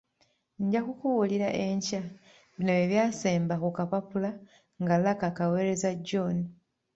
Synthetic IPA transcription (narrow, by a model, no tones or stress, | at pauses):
ɲɟakukuwuliɾaʔeɲca | βinoeβjaːseːmbakukapapula | ŋɡalakakawe̞ːɾe̞zaɟːoni